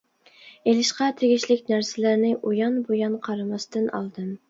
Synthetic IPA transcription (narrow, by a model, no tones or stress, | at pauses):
elɪʃqɑt̪ʰeɡʲiʃlɪkʲnæɾsɪlæɾnɪʔojɑnbojɑnqʰɑɾɑmɑst̪ɨnɑ̰lˠd̪ɨm